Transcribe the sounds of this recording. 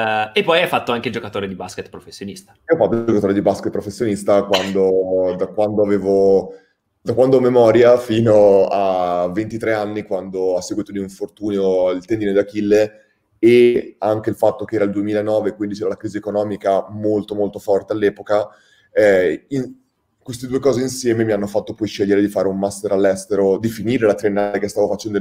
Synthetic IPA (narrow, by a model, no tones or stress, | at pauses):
epːɔjafːat̪ːoaŋked͡ʒokat̪oːɾed̪ibasket̪pɾofesːjonist̪ḁiɔfat̪ːod͡ʒokat̪oːɾed̪ibasket̪̚ːpɾofesːjonist̪akwand̪od̪akwand̪oaveːvo | d̪akwand̪omemɔːɾjafiːnoavːent̪it̪ɾeanːikwand̪oasːeɡwiːt̪od̪iuɱfort̪uːnjoilt̪end̪inod̪akilːe | eaŋk̟eilfat̪ːok̟eɛːɾald̪uemiːlaenɔːvekwind̪it͡ʃɛːɾalakɾiːziekonɔːmikamolt̪omolt̪ofɔrt̪ealːɛːpoka | ɛin | kwest̪ed̪uekɔːzeinsjɛːmemianːofat̪ːopɔjʃeʎːeɾed̪ifaːɾeumːast̪eɾalːɛst̪eɾod̪ifiniːɾelat̪ɾenːalekest̪aːvofat͡ʃɛnd̪o